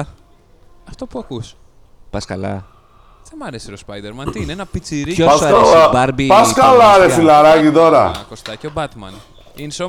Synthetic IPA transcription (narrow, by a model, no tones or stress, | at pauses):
ɐft̪o̞puɐkus | pɐskɐlɐ̰ | ðemɐɾesiɾospɐjd̪eɾmɐnt̪iineenɐpit͡siɾiçoɐsalabɐɾbipɐskɐlaɾesilaɾɐʝit̪o̞ɾɐ̰kost̪ɐceobɐt̪mɐ̰n | inso